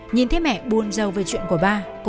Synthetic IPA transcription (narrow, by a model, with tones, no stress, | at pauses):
ɲi˨˩nt̪ʰe˨˦mɛ̰˧˨ɓu˨˩ənzə˨˩wveː˨˩t͡ɕwḭ˧˨ənku˧˩əɓaː˧ | kʊ˧